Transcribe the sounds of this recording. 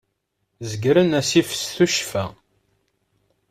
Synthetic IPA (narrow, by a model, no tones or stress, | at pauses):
zəɡɾənæsifə̥sθuʃfæ